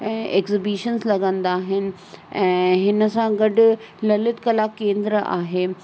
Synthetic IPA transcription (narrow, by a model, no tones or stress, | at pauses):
ɛ̃ːeːkzɪbiʃənzlɐɡə̃nd̪aːɦɪnɪ̆ | ɛ̃ːɦɪnə̆sãɡɐɖʊ̆ | lɐlɪt̪kɐlaːkẽːnd̪ɾəa̰ːɦeː